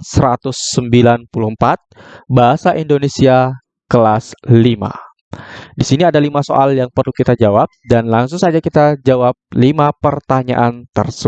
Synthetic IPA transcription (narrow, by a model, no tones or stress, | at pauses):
səɾat̪ʊsːəmbilanpuluhəmpat̪̚baɦasaʔindonesia | kəlaslima̰ | disiniadalimaso̰ʔaljaŋpərlukit̪ad͡ʒawap̚danlaŋsʊŋsad͡ʒakit̪ad͡ʒawap̚limapərt̪aɲa̰ʔant̪ərsə